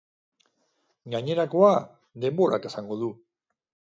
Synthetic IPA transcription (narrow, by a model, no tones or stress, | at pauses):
ɡaɲe̞ɾako̞a | ðe̞mbo̞ɾa̰ke̞saŋɡo̞ð̞u